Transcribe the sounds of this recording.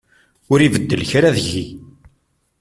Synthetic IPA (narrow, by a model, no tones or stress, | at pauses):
ʊɾivəd̪ːəlçɾaðəʝi